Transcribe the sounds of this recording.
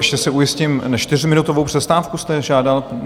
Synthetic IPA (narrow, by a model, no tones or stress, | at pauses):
ɛʃcɛsɛujɪscɪmnat͡ʃt̪ɪr̝mɪnut̪ovowpr̥ɛst̪aːfkust̪ɛʒaːdal